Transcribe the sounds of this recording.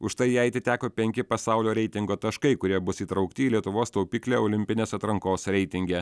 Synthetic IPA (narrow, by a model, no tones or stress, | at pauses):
ʊʃt̪ɐɪjɛɐt̪ʲɪt̪ʲæːkoːpʲɛŋʲkʲɪpɐsɑʊlʲoːɾʲɛɪt̪ʲɪŋɡoːt̪ɐʃkɐɪkʊɾʲiɛbʊsiːt̪ɾɐʊkt̪ʲɪiːlʲiɛt̪ʊʋoːst̪oʊpʲiːklʲeːoːlʲɪmʲpʲɪnʲeːsɐt̪ɾɐŋkoːsɾʲɛɪt̪ʲɪŋʲɡʲɛ